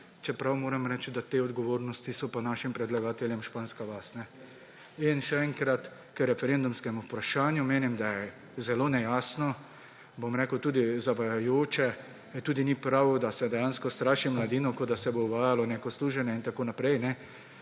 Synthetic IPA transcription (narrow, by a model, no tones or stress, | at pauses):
t͡ʃɛpɾawmoːɾɛmɾɛt͡ʃd̪at̪eːɔd̪ɡɔʋoːɾnɔst̪isɔpanaːʃimpɾɛd̪laɡaːt̪ɛljɛmʃpaːnskaʋast̪nɛ | inʃɛɛŋkɾat̪ | kəɾɛfɛɾend̪umskɛmupɾaʃaːnjumeːnimd̪ajɛ | zɛloːnɛjaːsnɔ | bomɾeːkəwt̪uːd̪izaʋajajoːt͡ʃɛ | t̪uːd̪inipɾawd̪asɛd̪ɛjaːnskɔst̪ɾaːʃimlad̪iːnɔkɔd̪asɛbouʋaːjalɔneːkɔsluːʒɛnjɛint̪akoːnapɾɛjnɛ